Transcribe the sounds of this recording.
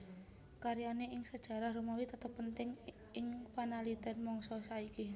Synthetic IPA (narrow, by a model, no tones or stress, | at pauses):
kaɾianeɪŋsəd̥ʒ̥a̤ɾahɾumawit̪ət̪əpːənt̪ɪŋ | ɪŋpanalid̪ɛ̤nmɔŋsɔsaiki